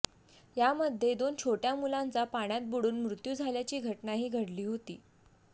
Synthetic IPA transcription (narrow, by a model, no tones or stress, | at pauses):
jaməd̪ʱːjed̪ont͡ɕʰoʈjamulant͡sapaɳ̃jat̪̚buɽuːnmɾut̪juːd͡zʱaljat͡ɕiːɡʱəʈnaɦiːɡʱəɽliːɦot̪iː